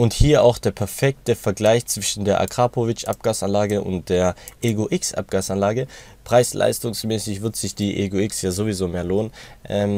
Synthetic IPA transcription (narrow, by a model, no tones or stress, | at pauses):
ʔʊnthiːɐʔaʊxd̥eːɐpʰɛɐfɛk̚təfɛɐɡlaɪçt͡sv̥ɪʃn̩deːɐʔa̰kʁ̥aːpovɪt͡ʃʔa̰p̚ɡ̥aːsanlaːɡəʔʊ̰nt̚d̥eːɐʔeɡoʔɪksʔa̰p̚ɡ̥aːsanlaːɡə | pʁ̥aɪslʔa̰ɪstʊŋsmɛːsɪçv̥ɪɐtz̥ɪçd̥iːʔḛɡoɪksjaːzoːvizoːmeːɐloːnənʔɛːm